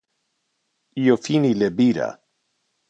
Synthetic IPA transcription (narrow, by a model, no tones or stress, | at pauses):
jofinilebiɾa̰